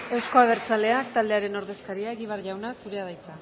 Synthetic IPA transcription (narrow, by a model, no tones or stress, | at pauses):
e̞wsko̞aβ̞e̞ɾt͡sale̞akt̪ald̪eaɾe̞no̞ɾðe̞skaɾiaeɣiβ̞aɾrʝawnasuɾe̞að̞ajt͡sa